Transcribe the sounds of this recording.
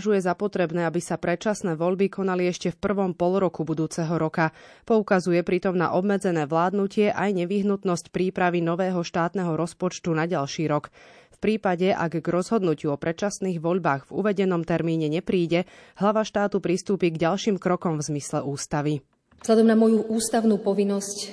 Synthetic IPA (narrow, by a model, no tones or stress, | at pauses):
ʒujɛzapɔt̪ɾɛbnɛːabisapɾɛt͡ʃasnɛːʋɔʎbikʰɔnaliɛʃcɛfpr̩ʋɔmpɔlɾɔkubud̪uːt͡sɛɦɔɾɔkapɔukazujɛpɾit̪ɔmna̰ʔɔbmɛd͡zɛnɛːʋlaːd̪nucɪɛʔajɲɛʋiɦnut̪nɔscpɾiːpɾaʋinɔʋɛːɦɔʃt̪aːt̪nɛɦɔɾɔspɔt͡ʃt̪unaɟalʃiːɾɔkfpɾiːpaɟɛʔa̰ɡɡɾɔzɦɔd̪nucɪuɔpɾɛt͡ʃasniːɣʋɔʎbaːɣvṵʋɛɟɛnɔmt̪ɛɾmiːɲɛɲɛpɾiːɟɛɦlaʋaʃt̪aːt̪upɾist̪uːpiːɡɟalʃiːmkɾɔkɔmvzmislɛʔuːst̪aʋi | zɦʎad̪ɔmnamɔjuʔuːst̪aʊnuːpɔʋinːɔsc